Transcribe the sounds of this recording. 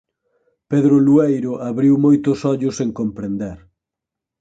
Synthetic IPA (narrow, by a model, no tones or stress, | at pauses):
peðɾʊluejɾʊʔaβɾiwmojt̪ʊsɔʎʊseŋkompɾend̪eɾ